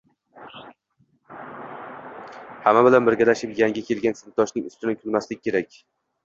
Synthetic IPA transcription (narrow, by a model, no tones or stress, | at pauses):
hamːabɪlanbɪɾɡʲalaʃɪpjaŋʲakʲʰe̞lɡʲansɪn̚t̪ʰːɒʃnɪŋʊ̥̰st̪ɪnɪkʲʰʊlmaslɪk̚ʲːkʲʰe̞ɾakʲ